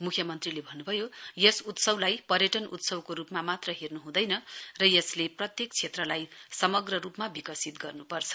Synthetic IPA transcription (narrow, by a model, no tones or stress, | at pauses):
mukʰjʌmʌnt̪rilebʱʌnːubʱʌjojʌsut̪sʌblajpʌrjʌʈʌnṵt̪sʌbkoɾupmamat̪rʌɦirnuɦũd̪ʌjnʌrʌjʌsleprʌt̪jek̚t͡sʰet̪rʌlajsʌmʌɡrʌrupmabikʌsit̪ɡʌrnupʌrt͡sʰʌ̥